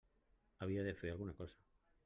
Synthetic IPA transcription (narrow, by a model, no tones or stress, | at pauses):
aβiaðefealɣunako̞sḁ